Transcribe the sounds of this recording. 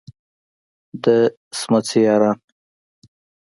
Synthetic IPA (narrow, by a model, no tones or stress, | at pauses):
d̪ə | smat͡sijɑɾɑn